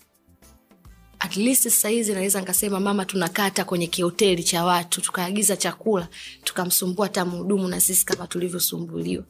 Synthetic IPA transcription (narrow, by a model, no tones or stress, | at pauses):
atlisiahizinawɛzanikasɛmamamatunakatakwɛɲɛkihɔtɛlit͡ʃawatutu̥kaːɠizat͡ʃakulatu̥kam̩sumbuatamuuɗumunasisi̥kamatulivjɔsumbṵliwa